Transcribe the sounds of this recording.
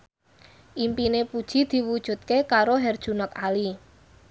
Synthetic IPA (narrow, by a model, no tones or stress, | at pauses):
ʔimpinepud̥ʒ̥i̤d̪̥i̤wud̥ʒ̥ṳt̪̚kekaɾoɦɛrd̥ʒ̥ṳnəkali